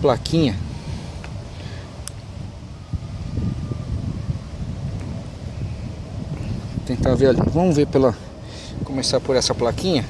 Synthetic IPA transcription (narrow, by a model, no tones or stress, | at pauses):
plakʰĩɲɐ | t̪ẽt̪aɾveɾalḭvɐ̃mʊveɾpelɐ | kõmesaɾpoɾɛsɐplakĩɲɐ